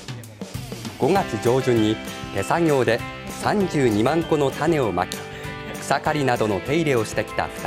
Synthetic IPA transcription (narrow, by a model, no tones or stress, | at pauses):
ɡ̥o̞ŋat͡sɨd͡ʑo̞ːd͡ʑɨ̃ɲ̟ːit̪e̞saŋʲo̞ːd̪e̞sãɲd͡ʑɨːɲ̟imãŋko̞no̞t̪ane̞o̞ma̰kʲi̥ | okɯ̟̥sakaɾʲinad̪o̞no̞t̪e̞iɾe̞o̞ɕi̥t̪e̞kʲi̥t̪a̰ɸɯ̟̥t̪a